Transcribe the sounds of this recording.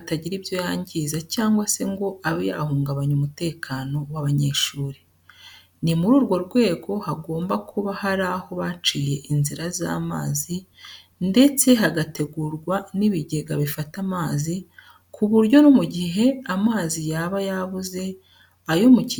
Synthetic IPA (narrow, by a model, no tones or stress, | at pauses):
ataɟiɾibjo̞jaːɲɟizacaːŋɡwase̞ŋɡo̞ʔaβeja̰huːŋɡaβaɲumute̞ːkʰaːno̞waβaɲe̞ːʃuːɾi | nimuɾuːɾɡwo̞ɾɡwe̞ːɡo̞haɡo̞ːmbakʰuβahaɾaho̞βat͡ʃije̞ʔinziɾaza̰ːma̰ːzi | nde̞t͡se̞ɦaɡate̞ɡuɾɡwaniβiɟeɡaβifatamaːzi | kʰuβuɾɟo̞numuɟiɦe̞amaːzijaːβajaβuze̞ | ajo̞muci